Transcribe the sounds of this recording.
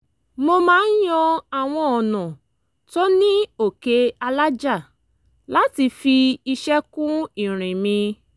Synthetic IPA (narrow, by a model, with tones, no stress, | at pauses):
mo˧mãː˨˦n̩˦jɔ̃˧a˨w̃ɔ̃˧ɔ˨nɔ̃˨ | tɔ˦nĩ˦o˦˨ke˧˦a˧la˦d͡ʒa˦˨ | la˦ti˧fi˧i˧ʃɛ˦kũ˦ĩ˦˨ɾ̃ĩ˨mĩ˧